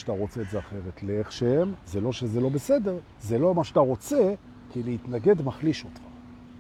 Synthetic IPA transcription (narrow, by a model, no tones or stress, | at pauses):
t̪aʁo̞t͡se̞ːtzeaχe̞ʁetleeχʃehemzelo̞ʃezelo̞bese̞de̞ʁ | zelo̞maʃat̪aʁo̞t͡se | kileit̪naɡe̞dmaχliʃo̞tχḁ